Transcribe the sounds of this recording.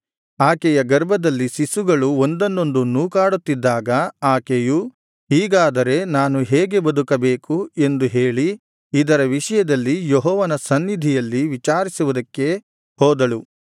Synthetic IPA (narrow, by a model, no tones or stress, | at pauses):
aːkɛjɐɡɐɾbʱɐd̪ɐlːisisuɡɐɭuond̪ɐnːo̞nd̪unuːkaːɽut̪ːid̪ːaːɡɐaːkeju | ɦiːɡaːd̪ɐɾe̞naːnuɦeːɡe̞bɐd̪ukɐbeːkue̞nd̪uɦe̞ːɭi | id̪ɐɾɐʋiʂɐjɐd̪ɐlːijoɦɔːʋɐnɐsɐnːid̪ʱijɐlːiʋit͡ʃaːɾisuʋud̪ɐkːe̞ | hɔːd̪ɐɭu